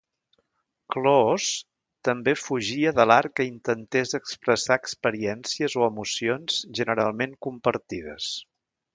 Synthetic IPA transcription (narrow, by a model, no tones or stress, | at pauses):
klos | t̪əmbefuʒiəðəlaɾkəint̪ənt̪ezəkspɾəsaəkspəɾiɛnsiəzoəmusionz̥ʒənəɾalˠmeŋkumpəɾt̪iðəs